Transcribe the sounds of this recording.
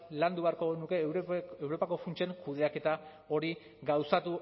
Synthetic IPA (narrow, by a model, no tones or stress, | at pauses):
land̪uβeaɾko̞ɣenuke̞ewɾo̞pako̞funt͡ʃeŋkuð̞e̞ake̞t̪a | o̞ɾi | ɡawsat̪u